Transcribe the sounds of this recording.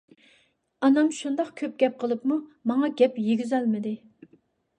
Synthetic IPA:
ɑnɑmʃund̪ɑqkʲʰøp̚ɡʲɛp̚qʰəlˠɨpmumɑŋɑɡʲɛpjeɡʲyzɛlmɪd̪ɪ

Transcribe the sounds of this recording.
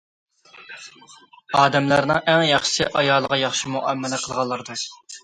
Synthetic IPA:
ɑːd̪ɛmlæɾnɨŋʔæŋjɑχʃɨ̥sɪ̰ʔɑjɑːlˠəʁɑjɑχʃimuʔæmːɪlɪqʰəlˠʁɑlˠːəɾɨd̪ɨ

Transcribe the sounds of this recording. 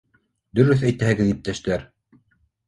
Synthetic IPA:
d̪ɵ̆ɾɵθæjt̪æhɘ̆ɡɘðip̚t̪æʃt̪æɾ

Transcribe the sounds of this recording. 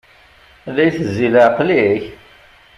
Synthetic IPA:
lːæjθəzːiləqliç

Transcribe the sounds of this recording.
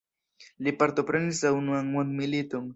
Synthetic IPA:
lɪpaɾt̪opɾanɪsawnwaŋwanmɪlɪt̪ʊŋ

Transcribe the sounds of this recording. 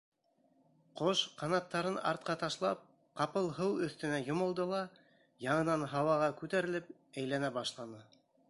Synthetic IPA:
qoʃqɑnɑt̪ːɑɾɤnɑ̰ɾt̪̚qɑt̪ɑʃlˠɑ̰p̚ | qɑpɤlˠɦɤwɵ̆θt̪ɘ̆næjŏmɤ̆lˠd̪ɤlˠɑ | jɑɴɤ̆nɑnɦɑwɑʁɑkʉt̪æɾɘ̆lɘp̚ | æjlænæbɑʃlˠɑnɤ

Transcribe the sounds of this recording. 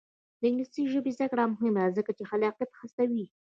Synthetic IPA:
d̪əɪŋɡlist̪iʒəbezd̪akɽamʊɦɪmd̪azəkat͡ʃexalɑqat̪xəst̪awi

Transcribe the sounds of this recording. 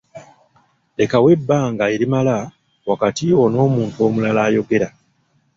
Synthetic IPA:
e̞kawe̞bːaːŋɡaeɾimala | wakatiwo̞no̞ːmuːntuo̞ːmulalaːjo̞ɡe̞ɾa

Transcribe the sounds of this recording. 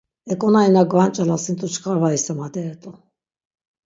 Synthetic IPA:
ɛkʼɔnainaɡvant͡ʃʼalasint̪ʼut͡ʃʰkʰʼaɾvaisamad̪ɛɛt̪ʼu

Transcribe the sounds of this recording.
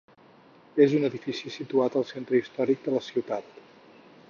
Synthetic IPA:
ezunəðifisisit̪uat̪əlˠsent̪ɾəist̪ɔɾik̚d̪ələsiwt̪at̪

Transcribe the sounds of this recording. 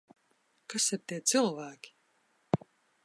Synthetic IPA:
kasiɾt̪iɛt̪sɨlˠvæːkʲi̥

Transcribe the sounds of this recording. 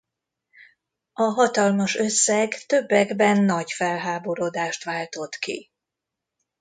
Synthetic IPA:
ɒɦɒt̪ɒlmɒʃø̞sːɛɡt̪ø̞bːɛɡbɛnːɒɟfɛlɦaːbo̞ɾod̪aːʃt̪ʋaːlt̪o̞t̪kḭ

